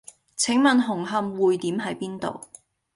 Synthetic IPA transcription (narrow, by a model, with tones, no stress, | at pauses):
t͡sʰɪ˨˥ŋmɐ˨nɦʊ˨˩ŋɦɐ˨˧mwuː˨jt̪iː˨˥mɦɐ˨˥jpiː˥nt̪o̰˨w